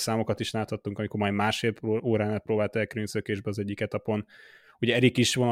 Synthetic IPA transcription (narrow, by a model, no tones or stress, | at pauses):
saːmo̞kɒt̪iʃlaːt̪hɒt̪ːuŋkɒmiko̞ɾmɒjd̪maːʃfeːloːɾaːnaːt̪proːbaːlt̪ɛlkɾynsøkeːʒbɛɒzɛɟːikɛt̪ɒpo̞n | uɟɛɛɾikiʃʋonɒ